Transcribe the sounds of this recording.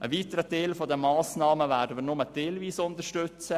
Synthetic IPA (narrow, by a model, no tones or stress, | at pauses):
ʔəʋiːtəɾəteːlfodəmɑːsnɑːməvæːdənməɾnʊməteːlviːsʊntəʃtøt͡sə